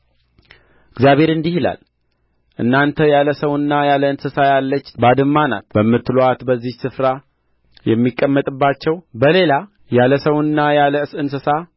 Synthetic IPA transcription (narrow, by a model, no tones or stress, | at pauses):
ɪɡzjaβe̞ɾɨnd̪ihila̰l | ʔɨ̰nːant̪ʰəjaləsəwɨnːajaləɨnsɨsajalːət͡ʃːbad̪ɨmːana̰t̪bəmːɨt̪ːɨloat̪bəzːihsɨfɾa | jɛmːikʼːəmːət̪ʼɨbːat͡ʃːɛwbəle̞la | jaləsəwɨnːajaləɨsɨnsɨsa